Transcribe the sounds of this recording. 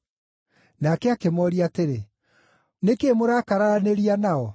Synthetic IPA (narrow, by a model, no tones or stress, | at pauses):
nakɛakemɔɾiateɾe | nekemoɾaːkaɾaɾaneɾianaɔ